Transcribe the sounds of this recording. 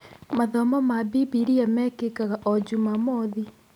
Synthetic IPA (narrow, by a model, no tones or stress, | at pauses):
maðɔmɔmabibiɾiamɛkekaɣaʔɔd͡ʒumamɔði